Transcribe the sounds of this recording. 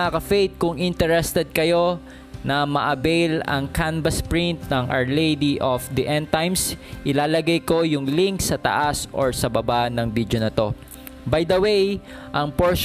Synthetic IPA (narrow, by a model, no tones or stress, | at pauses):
akɐfejt̪̚kʊŋʔɪnt̪ɛɹɛst̪ɛd̪̚kɐjo̞ | nɐmɐʔɐbɛjlɐ̰ŋkanbɐspɹint̪̚nɐŋʔɐ̰ɹlejd̪iʔofd̪iʔɛ̃nt̪ajmsʔɪlaːlɐɡɐjko̞jʊŋliŋksɐt̪ɐ̰ʔasʔoɹsɐbɐbanɐŋbid̪jonɐt̪o̞ | bajd̪ɐwej | ʔɐŋpoɹʃ